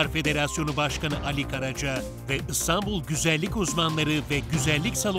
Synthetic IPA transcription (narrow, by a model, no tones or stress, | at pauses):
aɾfe̞d̪e̞ɾasjo̞nubaʃkanɯʔalʲikʰaɾad͡ʒa | vɛʔɯst̪ʰambulˠɟyzælʲːicuzmanlˠaɾɯvɛɟyzælʲːicʲsalˠ